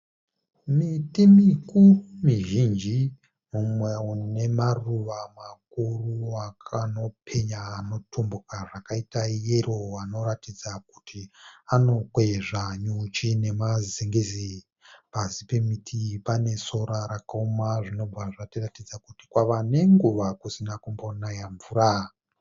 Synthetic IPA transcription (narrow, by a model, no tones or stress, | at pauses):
mitimikumiʒind͡ʒi | mumwe̞une̞maruʋamakuruakano̞pʰe̞ɲaːno̞tʰombukaʐakaitaijero̞ano̞ratid͡zakutiano̞kwe̞ʐaɲut͡ʃine̞mazeŋɡezi | pazipe̞mitʰipane̞so̞ɾaɾakaomaʐino̞b͡vʱaʐatiratid͡zakuti̥kwaʋane̞ŋɡuʋakusinakumbonajaɱvuːra